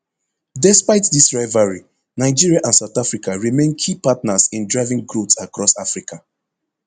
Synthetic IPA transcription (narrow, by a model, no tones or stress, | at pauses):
dɛspaɪtdisɹaɪvaɹi | naɪd͡ʒiɹiaʔãnsaʊtafɹikʰaɹimẽnkʰipatnasĩndɹaɪvĩŋɡɹutsakɹɔsafɹikʰa